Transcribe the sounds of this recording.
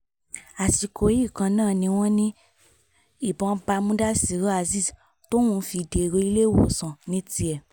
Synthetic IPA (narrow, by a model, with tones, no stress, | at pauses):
a˨si˨ko˨˦i˦˨kã˧nãː˦˨nĩ˧w̃ɔ̃˦nĩ˦ | i˦˨bɔ̃˧˦ba˧mũ˦da˦si˨˦ɾo˦a˧zi˦˨s | to˦w̃ũ˦fi˧de˨˧ɾo˧˦i˧˦le˦wɔ̰˨sɔ̃˨nĩ˧˦ti˧˦ɛ˨